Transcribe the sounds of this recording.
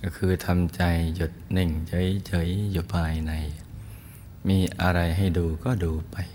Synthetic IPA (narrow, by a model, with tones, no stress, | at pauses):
kɔ˧˩kʰɯː˧t̪ʰa˧mt͡ɕa˧jju˨˩t̪̚nɯ˨˩ŋt͡ɕɤ˧˦jt͡ɕɤ˧˦˥jju˨˩pʰaː˧jna˧j | miː˧ʔa˧ɾa˧jɦa˥˩jduː˧kɔː˥˩duː˧pa˧j